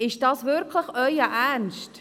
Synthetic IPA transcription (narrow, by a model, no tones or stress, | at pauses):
ɪʃd̥ɑːsvɪɾkʰləχœʏəʔærnʃt